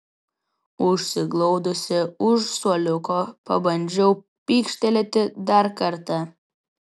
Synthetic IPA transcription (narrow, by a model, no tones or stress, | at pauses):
ʊʃʲsʲɪɡlˠɔʊd̪ʊsʲɪʊʃsuɔlʲʊkopɐbɐnʲd͡ʒʲɛʊ | pʲiːkʃʲt̪ʲɛlʲɛt̪ʲɪd̪ɐɾkɐɾt̪ɐ